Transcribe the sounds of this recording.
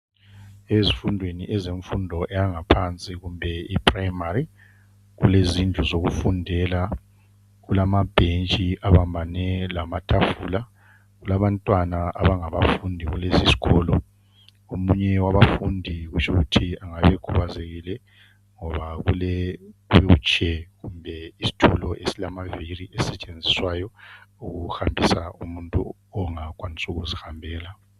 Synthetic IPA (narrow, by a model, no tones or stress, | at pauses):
ezifundʱwenḭʔɛzeɱfundʱɔʔɛjaŋapʰant͡sʼiɣumbʱɛipʰrajmaɾi | ɣṵlezind͡ɮʱuzoɣufundʱɛla | ɣulamab̥ʱent͡ʃʼiʔaβambʱanɛlamatʰafula | ɣulaβantʼwanaa̰βaŋaβafundʱiɣulesisi̥ɣɔlɔ | omuɲɛwaβafundʱiɣut͡ʃʰʼuɣutʰiaŋaβɛkʰuβazeɣilɛ | ŋɔβaɣulɛuβɛut͡ʃʰʼɛɣumbʱɛisi̥tʰulɔʔesilamaviriɛsɛt͡ʃʼend͡zʱiswaːjɔuɣuhambʱisaumuntʼu | ɔŋak̬ʼwanisuɣuzihambʱɛːla